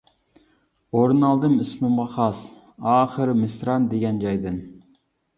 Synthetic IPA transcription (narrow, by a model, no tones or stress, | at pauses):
oɾunɑlˠd̪ɨmysmɨmʁɑχɑs | ɑːχəɾmɨsɾɑnd̪eɡʲɛnd͡ʒɑjd̪ɨn